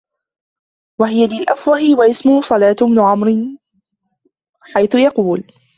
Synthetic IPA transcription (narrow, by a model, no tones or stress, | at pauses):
waɦɪjalɪlʔafwɑhɪwaʔɪsmʊhʊsˤɑlaːt̪ʊbnʊʕamɾɪ | ħajθʊjɑquːl